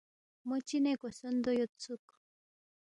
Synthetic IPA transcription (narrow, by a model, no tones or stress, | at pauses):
mot͡ɕinekosond̪ojot̪t͡suk